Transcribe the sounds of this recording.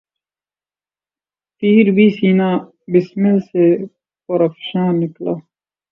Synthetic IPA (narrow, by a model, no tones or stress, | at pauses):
t̪iːɾbiːsiːnãː | bismilse | poɾɐfʃãːnːɪklaː